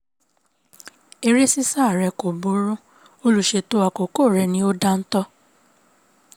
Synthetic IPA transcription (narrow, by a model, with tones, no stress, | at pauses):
e˧ɾe˦si˦sa˦˨ɾɛ˨˧ko˨bo˨˦ɾũ˦ | o˦lu˧ʃe˧to˧˦a˧ko˨ko˦˨ɾɛ˨˧nĩ˦o˦da˦n̩˦tɔ˦